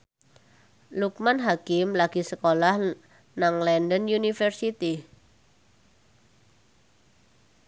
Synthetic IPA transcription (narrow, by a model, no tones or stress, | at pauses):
luk̚manɦakɪmlaɡ̥i̤səkolah | naŋlɛndənjunifərsit̪i